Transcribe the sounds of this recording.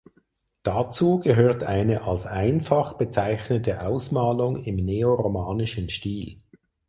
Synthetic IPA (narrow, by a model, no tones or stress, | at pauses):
d̥at͡suːɡəɦøːɐtaɪnəʔalsaɪnfɑχb̥ət͡saɪçnətəʔaʊsmaːlʊŋɪmneːoʁomaːnɪʃənʃtiːl